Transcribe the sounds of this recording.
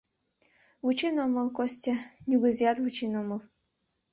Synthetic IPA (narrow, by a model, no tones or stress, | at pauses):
vut͡ɕinomɤ̆lˠkosʲtʲenʲuɡə̆zʲjɑt̪vut͡ɕinomɤlˠ